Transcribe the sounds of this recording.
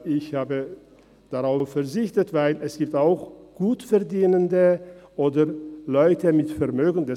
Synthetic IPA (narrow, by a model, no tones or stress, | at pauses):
ɪçhaːbə | d̥aʁaʊffɛɐzɪçtətv̥aɪlɛsɡ̥iːp̚taʊxɡ̥uːtfɛɐdiːnəndəʔoːdɐlɔʏtəmɪtfɛɐmøːɡn̩dɛ